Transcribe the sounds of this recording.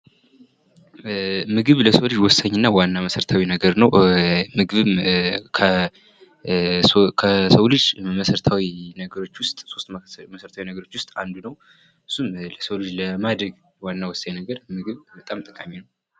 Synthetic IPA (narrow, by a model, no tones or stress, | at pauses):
mɨɡɨβləsəwlɨd͡ʒwɔsːaɲːɨnːawanːaməsəɾət̪ʰawinəɡəɾnəwmɨɡɨβɨmkʰə | kʰəsəwlɨd͡ʒməsəɾət̪ʰawinəɡəɾo̞t͡ʃːwʊst̪ʼso̞st̪məsəɾət̪ʰawinəɡəɾo̞t͡ʃːwʊst̪ʼand̪unəw | ɨsːumləsəwlɨd͡ʒləmad̪ɾəɡ | wanːawɔsːaɲnəɡəɾmɨɡɨβbət̪ʼamt̪ʼɨkʼamːinəw